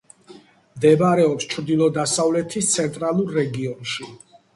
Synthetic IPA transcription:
md̪ɛbaɾɛɔpst͡ʃʰɾd̪ilˠɔd̪asavlɛt̪ʰist̪sʰɛnt̪ʼɾalˠuɾːɛɡiɔnʃi

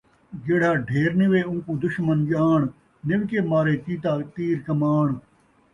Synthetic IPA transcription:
ɡeːɽ̤aːɖʱeːɾnɪʋeːʊ̃ŋkuːd̪ʊʃmənd͡ʒaːɳ | nɪʋkeːmaːɾeːt̪iːt̪aːt̪iːɾkɐmaːɳ

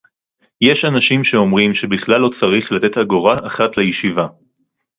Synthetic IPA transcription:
je̞ʃanaʃimʃeo̞mʁimʃe̞biχlalːo̞t͡saʁiχlat̪e̞t̪haɡoʁaʔaχat̪lejeʃiva

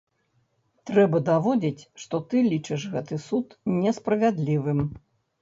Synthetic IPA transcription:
t̪ɾɛbɐd̪avɔd͡zʲit͡sʲʂt̪ɔt̪ɨlʲit͡ʂɨʂɣɛt̪ɨsut̪nʲɛspɾɐvʲad̪lʲivɨm

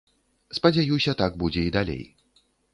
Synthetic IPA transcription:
spɐd͡zʲajusʲɐt̪aɡ̚bud͡zʲɛid̪alʲḛj

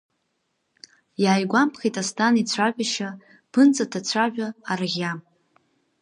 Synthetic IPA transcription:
jaːjɡʷampʰχʲejtʼastʰʼanit͡sʷʰaʒʷᶣaʃa | pʰɨnt͡sʼatʰat͡ɕʷʰaʒʷᶣaaraʁʲjam

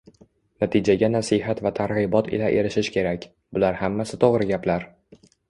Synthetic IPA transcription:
nat̪ʰɪd͡ʒaɡʲanasɪɦat̪vat̪ʰaɾʁɨbɒt̪ʰɪ̰laʔe̞ɾɪʃɪʃkʲʰe̞ɾakʲ | bʊlaɾhamːasɪt̪ʰoʁɾɪɡʲaplaɾ

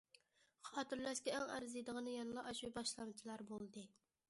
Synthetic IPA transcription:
χɑt̪ɨɾlæʃkʲɛæŋæ̰ɾzɨd̪əʁənɨjɑnlˠɑʔɑʃwibɑʃlˠɑnt͡ʃʰilˠɑɾbolˠd̪ɨ

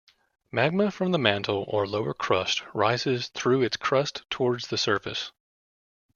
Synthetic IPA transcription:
mæɡ̚məfɹʌ̃mðəmæ̃ntʰl̩ˠə˞loʊə˞kʰɹ̥ʌst̚ɹaɪzɪz̥θɹʉɨtskʰɹ̥ʌstʰɔɹdzðɨsɜ˞fɨ̰s

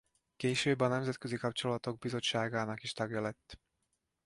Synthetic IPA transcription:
keːʃøːbɒnɛmzɛt̪køzikɒp̚t͡ʃo̞lɒt̪o̞ɡ̚bizo̞t͡ʃːaːɡaːnɒkiʃt̪ɒɡjɒlɛt̪ː

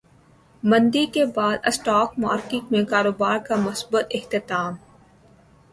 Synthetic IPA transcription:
mɐ̃nd̪ikebaːd̪əsʈaːk̚maːɾkɪ̃ŋmẽkaːɾoːbaːɾkamʊsbət̪ɪxt̪ɪt̪aːm

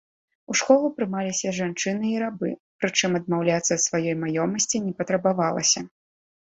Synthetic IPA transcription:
uʂkɔlˠupɾɨmalʲisʲɐʐant͡ʂɨnɨiɾabɨ̰pɾɨt͡ʂɨmɐd̪mawlʲat̪sːɐt̪svajɔjmajɔmɐsʲt͡sʲinʲɛpɐt̪ɾɐbavalˠɐ̰sʲɐ

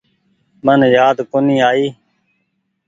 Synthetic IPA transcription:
mənjaːd̪konĩːaːiː

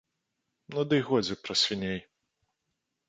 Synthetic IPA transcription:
mnɔd̪ɨjɣɔd͡zʲɪpɾɐsʲvʲinʲej

